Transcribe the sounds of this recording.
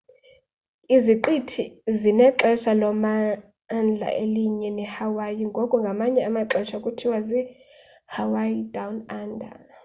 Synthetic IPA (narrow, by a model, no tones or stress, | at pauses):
iziǃitʰizinɛǁɛʃalɔma | nd͡ɮʱa̰ʔeliɲɛnɛhawajiŋɡʱɔkʼuŋɡʱamaɲɛamaǁɛʃaukʼutʰiwazi | hawajidawnaːndʱa̰